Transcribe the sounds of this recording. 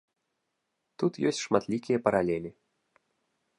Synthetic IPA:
t̪ut̪jɔsʲt͡sʲʂmat̪lʲikʲijɐpɐɾalʲɛlʲi

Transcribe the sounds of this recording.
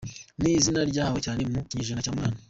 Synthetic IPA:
nizinaɾɟaːhocaːnemuciɲiʒinacaːmŋaːna

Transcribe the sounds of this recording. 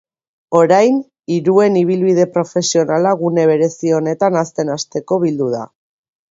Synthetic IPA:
o̞ɾajn | iɾue̞niβ̞ilβiðe̞pɾo̞fe̞sio̞nalaɣune̞β̞e̞ɾe̞sio̞ne̞t̪anast̪e̞nast̪e̞ko̞β̞ild̪uð̞a̰

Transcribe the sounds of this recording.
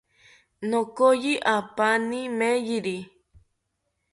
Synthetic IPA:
nokojiʔapanimejiɾi

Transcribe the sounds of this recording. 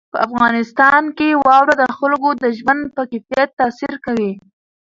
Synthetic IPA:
pəafɣɑnɪst̪ɑnkewɑwɾad̪əxʊlɡod̪əʒmand̪̚pəkɪfjat̪ːasiɾkawi

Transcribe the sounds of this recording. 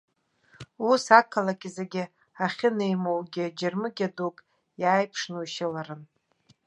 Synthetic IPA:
usakʰalakʲʼɪzeɡʲɪ | aχʲɪnejmowɡʲɪd͡ʒɪrmɨɡʲadukʼ | jaːjpʰʂnuwʃalaɾɨn

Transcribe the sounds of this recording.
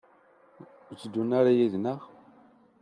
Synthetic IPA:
ət͡sːəd̪ːunːaɾajiðnəʁ

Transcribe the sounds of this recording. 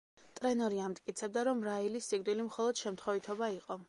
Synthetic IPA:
t̪ʼɾɛnɔɾiamt̪ʼkʼit̪sʰɛb̚d̪aɾɔmɾailisːiɡ̚d̪wilimχɔlˠɔd̪̥ʃɛmt̪ʰχɔvit̪ʰɔbaiqʼɔ

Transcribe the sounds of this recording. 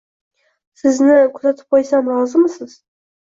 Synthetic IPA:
sɪznɪkʰʊzat̪ʰɪ̥p̚qʰojsamɾɒzɪmɪsɪz̥

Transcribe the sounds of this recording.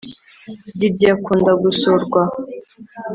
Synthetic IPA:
didiakuːndaɡusoɾɡwa

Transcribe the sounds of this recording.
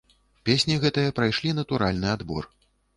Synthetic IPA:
pʲesʲnʲiɣɛt̪ɨjɐpɾajʂlʲinɐt̪uɾalʲnɨad̪bɔ̰r

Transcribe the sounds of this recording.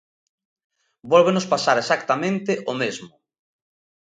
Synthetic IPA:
bɔlβenʊspasaɾesakt̪amẽnt̪ɪʔomezmʊ

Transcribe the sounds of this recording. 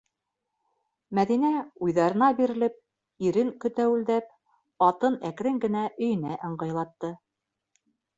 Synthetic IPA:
mæðinæujðɑɾɤ̆nɑbiɾɘ̆lɘp̚ | iɾɘŋkɵ̆t̪æwɘ̆ld̪æp̚ | ɑt̪ɤnækɾɘŋɡɘ̆næʔɵ̆jɘ̆næʔɤ̆ɴɢɤ̆jlˠɑt̪ːɤ

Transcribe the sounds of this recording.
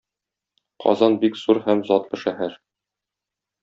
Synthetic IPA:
qʰɒ̰zɑnbikz̥uɾhæmzɒt̪lˠɤ̆ʃæɦæɾ

